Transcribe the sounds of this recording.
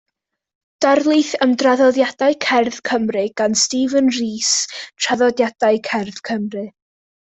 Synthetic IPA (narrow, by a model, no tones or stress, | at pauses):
d̥arlˠɨθəmdraðɔðjadaɨkʰɛrð̥kʰəmrɨɡ̥anstiːvənriːstʰr̥aðɔdjad̥aɨkʰɛrð̥kʰəmrɨ